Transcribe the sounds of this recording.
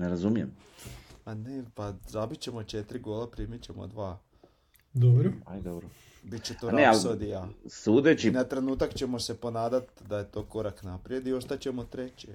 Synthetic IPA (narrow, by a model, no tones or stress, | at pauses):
neɾazumijḛm | anepazabit͡ɕe̞mo̞t͡ʃe̞t̪ɾiɡoːlˠapɾimit͡ɕemo̰d̪ʋaː | d̪obɾoajd̪obɾo | bit̪t͡ɕet̪oɾneallod̪ijaːsuːd̪et͡ɕinat̪ɾe̞nuːt̪akt͡ɕe̞mo̞se̞po̞naːd̪at̪d̪aje̞t̪o̞ːko̞ɾaknapɾije̞d̪io̞st̪at͡ɕe̞mot̪ɾe̞t͡ɕe